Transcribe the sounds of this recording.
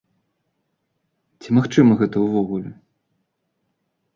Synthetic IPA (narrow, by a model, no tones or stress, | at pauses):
t͡sʲimaxt͡ʂɨmɐɣɛt̪ɐuwvɔɣulʲɛ